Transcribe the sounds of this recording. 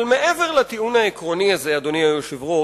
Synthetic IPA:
lmeʔeveʁlat̪iunaekʁo̞niazead̪oniajoʃivʁo

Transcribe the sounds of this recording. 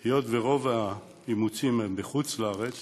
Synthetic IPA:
hejot̪veʁo̞va | imut͡simembeχut͡slaaʁet͡s

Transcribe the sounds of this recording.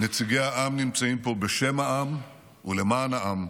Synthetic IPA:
net͡siɡejaʔamnimt͡saimpo̞be̞ʃe̞mhaʔam | ule̞maːnaʔam

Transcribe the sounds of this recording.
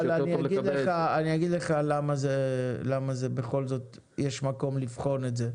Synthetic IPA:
laniaɡid̪leaːniaɡid̪leχalamazelamazebeχo̞lzo̞t̪ | jɛʃmako̞mlifχo̞netze

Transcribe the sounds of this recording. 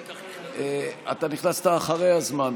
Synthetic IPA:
eat̪aniχnast̪aːχaʁejazman

